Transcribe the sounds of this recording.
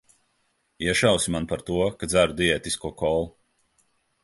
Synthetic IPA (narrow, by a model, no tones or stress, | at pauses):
iɛʃawsʲimanpaɾt̪uɔkad̪zʲæɾud̪iɛːt̪iskuɔkɔlˠ